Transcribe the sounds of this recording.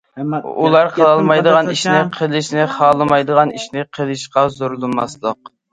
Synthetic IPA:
ṵlˠɑɾqʰəlˠɑlˠmɑjd̪əʁɑniʃnɪqʰəlˠɪʃnɪχɑːlˠɨmɑjd̪əʁɑniʃnɪqʰəlˠɨʃqɑzoɾlˠɨmɑ̰slˠəq̚

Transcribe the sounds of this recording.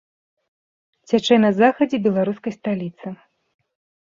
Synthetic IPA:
t͡sʲat͡ʂɛnɐzaxɐd͡zʲɛbʲɛlˠaɾuskɐjst̪alʲit̪sɨ

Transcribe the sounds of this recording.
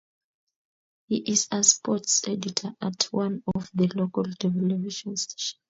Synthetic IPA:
hiʔizɛspɔtsɛditʰaatʰwãnɔfðəlokaldɛvɛlɛviʃɔ̃nstʰe̥ʃɔ̥̃n

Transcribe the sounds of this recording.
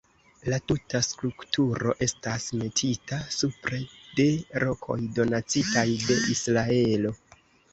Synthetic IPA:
latutaskɾuktuɾo̞̰ʔe̞stasme̞tʰitasupɾe̞de̞ɾo̞kʰo̞̰jdo̞nat͡sitajde̞ʔisɾae̞lo̞

